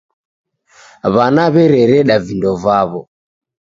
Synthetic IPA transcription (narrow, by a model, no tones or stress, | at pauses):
βanaβɛɾɛɾɛɗavindɔvaβɔ